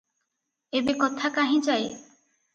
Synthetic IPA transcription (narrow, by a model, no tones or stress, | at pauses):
ebekɔt̪ʰakaɦĩt͡ʃaje